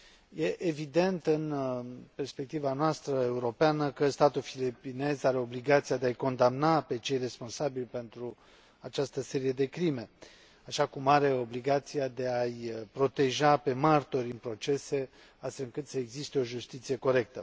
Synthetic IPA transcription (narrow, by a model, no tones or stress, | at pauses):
je̞ʔevid̪e̞nt̪ɨnpe̞rspe̞k̚t̪ivanoast̪ɾəe̞uɾo̞peanəkəst̪at̪ulfilipine̞zaɾe̞o̞bliɡat̪siad̪eajko̞nd̪amnape̞t͡ʃe̞jre̞sponsabilʲpe̞nt̪ɾu | at͡ʃast̪əse̞ɾije̞d̪e̞kɾime̞ | aʃakumaɾe̞o̞bliɡat̪sijad̪e̞ajpɾo̞t̪e̞ʒape̞mart̪o̞ɾʲɨnpɾo̞t͡ʃe̞se̞ | ast̪felɨŋkɨt̪səeɡzist̪e̞o̞ʒust̪it̪sije̞ko̞ɾe̞k̚t̪ə